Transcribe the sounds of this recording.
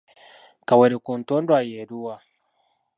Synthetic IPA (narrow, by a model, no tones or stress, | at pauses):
kaweɾekuntondwajeɾuwa